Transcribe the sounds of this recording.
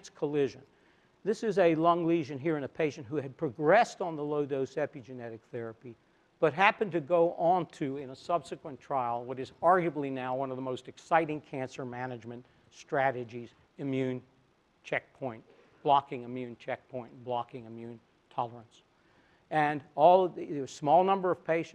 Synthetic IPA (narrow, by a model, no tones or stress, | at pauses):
tskʰəlɪʒɨ̃n | ðɪsɨzɨlʌ̃ŋliʒɨ̃nɦiɹɨ̃nɨpʰeɪʃɨ̃ntɦuɨd̚pʰɹ̥ɨɡɹɛstn̩ðəloʊɾoʊsɛpid͡ʒɨnɛɾɨk̚θɛɹɨpi | b̥ʌt̚ɦæpɨ̃ntɨɡoʊʔə̃ntʰʉɪ̃nəsʌb̥sɨkwə̃ntʰɹ̥aɪl̩ˠwʌɾɨzɑɹɡjɨblinaʊwʌ̃nʌvðəmoʊstɨksaɪɾɪ̃ŋkʰæ̃nsə˞mænɨd͡ʒmɨ̃nt | stɹ̥æɾɨd͡ʒiz | ɨmjʉ̃n | t͡ʃʰɛk̚pʰɔ̃ɪ̃nt | b̥lɑkɪ̃ŋɨmjʉ̃nt͡ʃʰɛk̚pʰɔ̃ɪ̃n̩blɑkɪ̃ŋɨmjʉ̃n | tʰɑlˠə˞ɨ̃ns | ɨ̃nɔlˠʌɨsmɔlˠnʌ̃mbə˞ʌv̥pʰeɪʃ